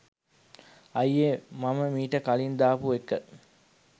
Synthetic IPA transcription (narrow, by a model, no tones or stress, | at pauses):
ɐjemaməmiːʈəkalind̪aːpuekːə